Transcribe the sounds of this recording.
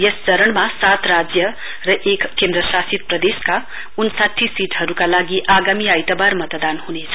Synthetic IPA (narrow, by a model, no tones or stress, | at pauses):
jest͡sʌɾəɳmasat̪rad͡zjʌ | rʌʔekːẽnd̪ɾʌsasit̪̚prʌd̪eska | unsat̪ʰːisiʈɦʌɾukalaɡiʔaɡamiajt̪abarmʌt̪d̪anhunet͡sʰʌ̥